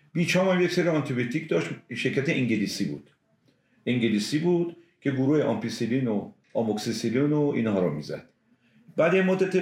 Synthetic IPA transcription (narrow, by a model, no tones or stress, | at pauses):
biːt͡ʃʰɒːmæmjecseɾiɒnt̪ʰibiot̪ʰicʰd̪ɒːʃt̪ʃeɾkʰæt̪eʔiŋɟeliːsiːbṵːd̪̥ | iŋɟeliːsiːbuːd̪̥ | cʰe̞ɡuɾuːheʔɒ̰mpisilino | ɒmoksisilinoḭːnhɒːɾɔmḭːzæ̰d̪̥ | bæd̪emod̪ːæt̪ʰe